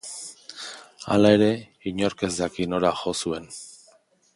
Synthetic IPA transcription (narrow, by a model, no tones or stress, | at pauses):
a̰lae̞ɾe̞ | iɲo̞ɾke̞zd̪akino̞ɾaxo̞sue̞n